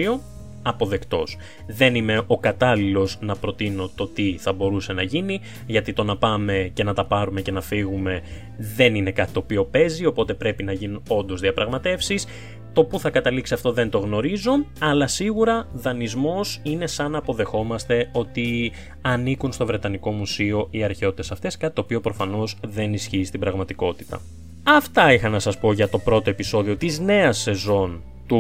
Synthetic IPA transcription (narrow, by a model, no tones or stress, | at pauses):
io | ɐpo̞ðe̞kt̪o̞s | ðe̞nime̞ʔo̞kɐt̪ɐlilo̞znɐpɾo̞t̪ino̞t̪o̞t̪iθɐbo̞ɾuse̞nɐʝini | ʝɐt̪it̪o̞nɐpɐme̞ce̞nɐt̪ɐpɐɾume̞ce̞nɐfiɣume̞ | ðe̞nine̞kɐt̪i̥t̪o̞pio̞pe̞zio̞po̞t̪e̞pɾe̞pinɐʝinuno̞nd̪ozðiɐpɾɐɣmɐt̪e̞fsis | t̪o̞puθɐkɐt̪ɐliksiɐft̪o̞ðe̞nt̪o̞ɣno̞ɾizo̞ɐlɐsiɣuɾɐðɐnizmo̞sine̞sɐnɐpo̞ðe̞xo̞mɐst̪e̞o̞t̪i | ɐnikunst̪o̞vɾe̞t̪ɐniko̞musio̞ʔiɐɾçeo̞t̪it̪esɐft̪e̞skɐt̪it̪o̞ːpio̞pɾo̞fɐno̞zðe̞nisçiːst̪ibɾɐɣmɐt̪iko̞t̪it̪ɐ̰ | ɐft̪ɐixɐnɐsɐspo̞ʝɐt̪o̞pɾo̞t̪o̞e̞piso̞ðio̞t̪izne̞ɐsːe̞zo̞n | t̪u